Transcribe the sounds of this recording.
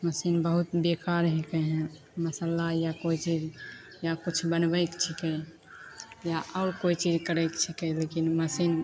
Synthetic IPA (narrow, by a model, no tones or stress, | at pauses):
məsinbəɦut̪bekaɾɦekɛɦɛ̃ | məsəlajakoit͡ʃid͡ʒ | jakut͡ʃʰbənbəjkt͡ʃʰikɛ | jaʔɔʊɾkoit͡ʃid͡ʒkəɾəɪkt͡ʃʰikɛlekinməsin